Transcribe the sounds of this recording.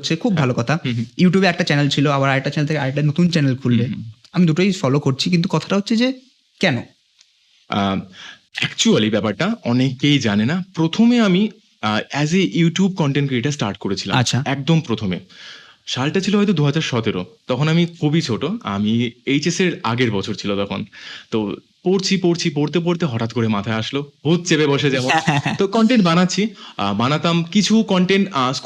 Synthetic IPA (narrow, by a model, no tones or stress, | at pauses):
ɕʰekʰubbʱalokɔt̪ʰajuʈjubeɾɛk̚ʈat͡ɕɛnelt͡ɕʰiloabaɾaʈat͡ɕɛnelt̪ʰekeaeʈanot̪unt͡ɕɛnelkʰulːe | amid̪uʈojfɔlokoɾt͡ɕʰikint̪̬ukɔt̪ʰḁʈaɦotːɕʰed͡ʑe | kɛno̰ | ɛkt͡ɕualibɛpaɾʈaɔnekejd͡ʑanenapɾot̪ʰomeami | ɛzejuʈijub̚kɔɳʈenʈkeeʈasʈaɾʈkoɾet͡ɕʰila̰a̰ːɕʰamɛk̚d̪ompɾot̪ʰomḛ | ʃalʈat͡ɕʰiloɦɔjt̪̬od̪uɦad͡ʑaɾʃɔt̪eɾo̰t̪ɔkʰonamikʰubit͡ɕʰoʈoa̰miejt͡ɕeseɾa̰ɡeɾbɔt͡ɕʰoɾt͡ɕʰilot̪ɔkʰont̪o | poɾt͡ɕʰipoɾt͡ɕʰipoɾt̪̬ep̬oɾt̪eɦɔʈat̪̚koɾemat̪ʰaeaʃlobʱut̪̚t͡ɕebebɔʃed͡ʑɛmont̪okɔɳʈeɳʈ̚banatːɕʰibanat̪amkit͡ɕʰukɔɳʈeɳʈs